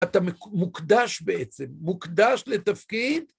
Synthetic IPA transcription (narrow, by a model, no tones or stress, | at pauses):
at̪amemukd̪aʃbeʔet͡se̞mːukd̪aʃlet̪afkid̪